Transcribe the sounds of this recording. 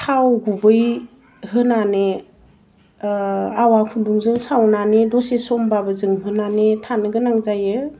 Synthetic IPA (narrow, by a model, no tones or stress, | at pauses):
tʰawɡubɯj | ɦɯnane | awakʰunduŋzɯŋsawnanedɔsesɔmbabəzɯŋɦɯnanetʰanɯɡɯnaŋzajɯ